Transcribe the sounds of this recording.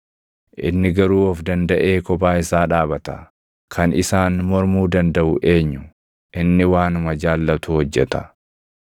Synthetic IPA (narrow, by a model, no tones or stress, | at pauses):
ʔɪ̰nːɪɡɐɾuːɔfd̪ɐnd̪ɐʔe̞ːkɔbaːɪsaːᶑaːbɐt̪ɐ | kʰɐnʔɪsaːnmɔɾmuːd̪ɐnd̪ɐʔʊʔe̞ːɲːʊ | ʔɪnːɪwaːnʊmɐd͡ʒaːlːɐt̪uːhɔd͡ʒːɛt̪ɐ